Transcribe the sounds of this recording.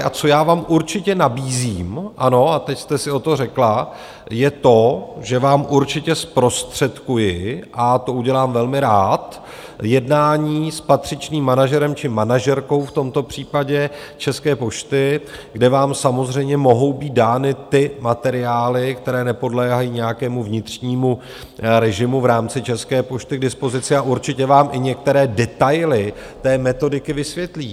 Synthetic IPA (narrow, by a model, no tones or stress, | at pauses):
ʔat͡so̞jaːvaːmʔuɾt͡ʃɪcɛnabiːziːmʔano̞at̪ɛcst̪ɛsɪo̞t̪o̞rɛkla | jɛt̪o̞ʒɛvaːmʔuɾt͡ʃɪcɛspɾo̞st̪r̝̥ɛt̪kujɪʔat̪o̞ʔuɟɛlaːmvɛlmɪɾaːt̪ | jɛdnaːɲiːspat̪r̝̥ɪt͡ʃniːmːanaʒɛɾɛmt͡ʃɪmanaʒɛɾko̞wft̪o̞mt̪o̞pr̝̥iːpaɟɛ | t͡ʃɛskɛːpo̞ʃt̪ɪɡdɛvaːmsamo̞zr̝ɛjmɲɛmo̞ɦo̞wbiːt̪̚daːnɪt̪ɪmat̪ɛɾɪaːlɪkt̪ɛɾɛːnɛpo̞dlɛːɦajiːɲɛjakɛːmuvɲɪt̪r̥ɲiːmu | ɾɛʒɪmuvɾaːmt͡sɪt͡ʃɛskɛːpo̞ʃt̪ɪɡdɪspo̞zɪt͡sɪaʔuɾt͡ʃɪcɛvaːmʔɪɲɛk̚t̪ɛɾɛːdɛt̪ajlɪ | t̪ɛːmɛt̪o̞dɪkɪvɪsvjɛt̪liː